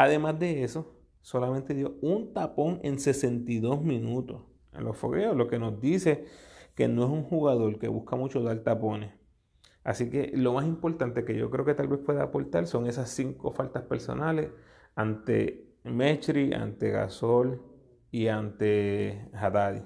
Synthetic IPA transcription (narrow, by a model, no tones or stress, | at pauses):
aðe̞mazd̪e̞eso̞ | so̞lament̪e̞ðjo̞unt̪apo̞ŋe̞̰nse̞se̞nt̪iðo̞smĩnut̪o̞s | ḛnlo̞sfo̞̰ɣe̞oslo̞ke̞no̞zd̪ise̞ke̞̰noesuŋhuɣaðo̞ɾke̞̰βuhkamut͡ʃo̞ðalt̪apo̞ne̞s | a̰sike̞lo̞masimpo̞ɾt̪ant̪eke̞ʝo̞̰kɾe̞o̞ke̞t̪albe̞spweðaːpo̞lt̪also̞ŋe̞sassiŋko̞falt̪aspe̞ɾso̞̰nale̞s | ant̪e̞̰ | met͡ʃɾia̰nt̪e̞ɣa̰so̞l | iant̪e̞hat̪aðḭ